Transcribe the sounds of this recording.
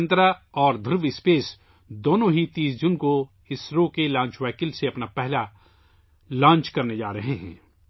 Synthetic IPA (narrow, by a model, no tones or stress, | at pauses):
nt̪ɾaɔːɾd̪ʱʊɾʋɪspeːs | d̪oːnõɦit̪iːsd͡ʒʊnko | ɪsɾoːkelãːɲt͡ʃwɛːkɪlseɐpnapɛɦla | lãːnt͡ʃkɐɾned͡ʒaːɾɐɦeɦɛ̰̃ː